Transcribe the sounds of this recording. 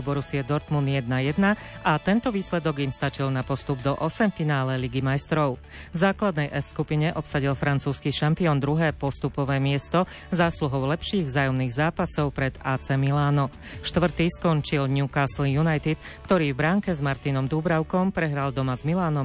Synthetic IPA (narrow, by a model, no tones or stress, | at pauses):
bɔɾusiɛd̪ɔɾt̪munjɛd̪̚najɛd̪naat̪ɛnt̪ɔʋiːslɛd̪ɔɡimst̪at͡ʃilnapɔst̪ubd̪ɔʔɔsɛmfinaːlɛliɡimajst̪ɾɔʊ | vzaːklad̪nɛjʔɛfskupiɲɛʔɔpsaɟilfɾant͡suːskiʃampiɔːnd̪ɾuɦɛːpɔst̪upɔʋɛːmɪɛst̪ɔ | zaːsluɦɔʊlɛpʃiːɣvzaːjɔmniːɣzaːpasɔʊpɾɛd̪aːt͡sɛmilaːnɔ | ʃt̪ʋr̩t̪iːskɔɲt͡ʃilɲukaːslijunajt̪it̪ | kt̪ɔɾiːvbɾaːŋkɛzmaɾt̪inɔmd̪ubɾaʊkɔmpɾɛɦɾald̪ɔmazmilaːnɔm